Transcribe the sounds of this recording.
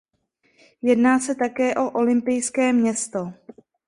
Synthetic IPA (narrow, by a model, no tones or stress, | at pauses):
jɛdnaːsɛt̪akɛːʔo̞ʔo̞lɪmpɪjskɛːmɲɛst̪o̞